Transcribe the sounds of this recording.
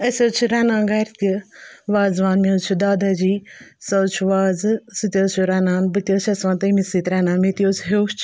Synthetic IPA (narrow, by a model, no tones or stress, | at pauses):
ɐsʲoːt͡ʃʰɾaːnãːɡɐɾt̪ʲiʋaːzʋaːnmeot͡ʃʰud̪aːd̪aːd͡ʒiːsɐt͡ʃʰʋaːzsɨt̪ʲjoːt͡ʃʰuɾaːnaːnbɨt̪joːt͡ʃʰɐsʋãːnt̪ɐmisit̪ɾɛːnãːnmit̪ijoːsɦet͡ʃʰ